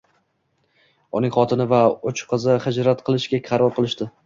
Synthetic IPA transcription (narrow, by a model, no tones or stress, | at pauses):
ʊnɪŋχɒt̪ʰɪnɪvaʊt͡ʃʰqʰɨzɪhɪd͡ʒɾat̪qʰɨlˠɪʃkʲakʲʰɑɾɒlˠqʰɨlˠɪʃt̪ɪ